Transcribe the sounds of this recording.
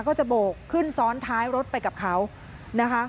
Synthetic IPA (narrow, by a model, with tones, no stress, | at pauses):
kɔː˥˩t͡ɕa˨˩boː˨˩kʰːɯ˥˩nsɔː˦˥nt̪ʰaː˦˥jɾo˦˥t̪̚pa˧jka˨˩p̚kʰa˦˥w | na˦˥kʰa˦˥